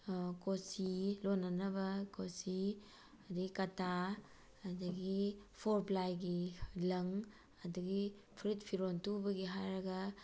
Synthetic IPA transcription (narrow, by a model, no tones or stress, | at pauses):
kosilonːɐnɐbɐkosi | adɐɡikɐtaː | dɐɡipʰoɾplajɡilɐŋ | ɐdɐɡi | pʰɾitpʰiɾontubɐɡiɦajɾɐɡɐ